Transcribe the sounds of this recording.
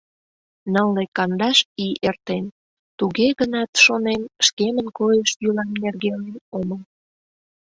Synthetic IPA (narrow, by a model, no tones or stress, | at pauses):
nəlːekɑnd̪ɑʃiert̪en | t̪uɣeɣənɑt̪ʃonenʃkemənkojəʃjylɑmnerɣelenoməl